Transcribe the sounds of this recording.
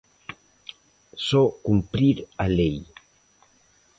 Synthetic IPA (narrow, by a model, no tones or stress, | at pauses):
sɔkumpɾiɾalej